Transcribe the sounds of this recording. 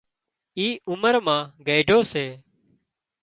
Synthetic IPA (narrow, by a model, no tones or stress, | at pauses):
iːʊməɾmãːɡeːɖʱoːseː